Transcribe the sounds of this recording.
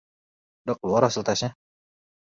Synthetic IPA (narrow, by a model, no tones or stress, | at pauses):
dɔk̚luaɾasəlt̪asɲa